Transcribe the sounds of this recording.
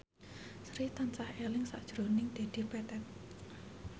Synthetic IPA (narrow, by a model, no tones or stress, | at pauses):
sɾit̪ant͡ʃahelɪŋsa̰ʔd̥ʒ̥ɾo̤nɪŋd̪̥e̤d̪̥i̤pɛt̪ɛt̪̚